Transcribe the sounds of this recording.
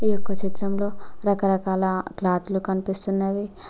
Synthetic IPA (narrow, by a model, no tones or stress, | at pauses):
ijokːɐt͡ʃit̪ɾɐmlo̞ːɾɐkɐɾɐkaːlɐklaːt̪lukɐnipist̪unːaːʋi